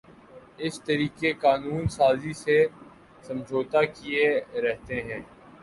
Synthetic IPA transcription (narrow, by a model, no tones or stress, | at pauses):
ɪst̪ɐɾiːkekaːnuːnsaːzise | sɐ̃md͡ʒʱoːt̪akieɾɛɦt̪eɦɛ̃ː